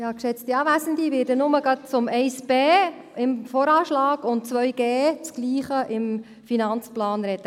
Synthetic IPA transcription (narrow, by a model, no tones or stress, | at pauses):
jɑːkʃɛt͡stiɑːvæsəndiʋɪːɾdənʊməɡɑt̚t͡sʊmɛɪsb̥eː | ɪmfɔɾɑːʃlɑːɡ̥ʊnt̚t͡sʋœʏɡeːt͡sɡ̥liːχəʔɪm | finɑnt͡splɑːnɾɛt̪ə